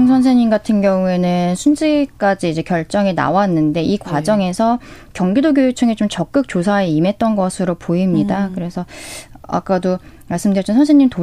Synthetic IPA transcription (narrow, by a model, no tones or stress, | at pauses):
ŋsʰʌns̬ʰeɲimɡatʰɯnɡjʌŋue̞nɯnsʰund͡ʑik͈ad͡ʑiːd͡ʑe̞kjʌɭt͡ɕ͈ʌŋina̰wanːɯnde̞ʔikwad͡ʑʌŋe̞sʰʌkjʌŋɡidoɡjojut͡ɕʰɯŋet͡ɕomt͡ɕʌk̚k͈ɯk̚t͡ɕ͈osʰaeime̞t̚t͈ʌnɡʌsʰɯɾopoimɲidakɯɾe̞sʰʌa̰k͈ado | maɭs͈ɯmdɯɾʌt͡ɕinsʰʌnsʰeɲːimto